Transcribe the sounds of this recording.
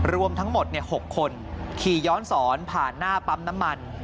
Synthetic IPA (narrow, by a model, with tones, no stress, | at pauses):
ɾu˧əmt̪ʰa˦˥ŋmo˨˩t̪̚ni˥˩əho˨˩kʰːo˧n | kʰiː˨˩jɔː˦˥nsɔː˩˦npʰaː˨˩nːaː˥˩pa˦˥mna˦˥mːa˧n